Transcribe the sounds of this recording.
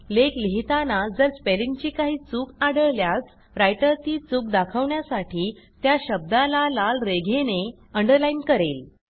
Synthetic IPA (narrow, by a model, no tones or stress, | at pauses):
lekliɦit̪anad͡zəɾspelint͡ɕiːkaɦiːt͡suːkaɽəɭljas | ɾajʈəɾt̪iːt͡suːk̚d̪akʰəʋɳjasaʈʰiː | t̪jaɕəb̚d̪alalalɾeɡʱene | əɳɖəɾlainkəɾel